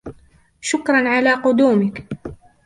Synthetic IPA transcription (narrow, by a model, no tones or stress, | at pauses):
ʃʊkɾˤɑnʕalaːqʊd̪uːmɪk